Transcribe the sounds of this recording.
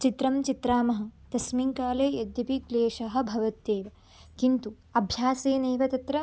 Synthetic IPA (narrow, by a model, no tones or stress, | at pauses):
t͡ʃit̪ɾɐmt͡ʃit̪ɾaːmɐɦɐ̆t̪ɐsmiŋkaːleːjɐd̪jɐpikleːʃɐɦɐ̆bʱɐʋɐt̪ːeːʋɐ | kint̪u | ɐbʱjaːseːneːʋɐt̪ɐt̪ɾɐ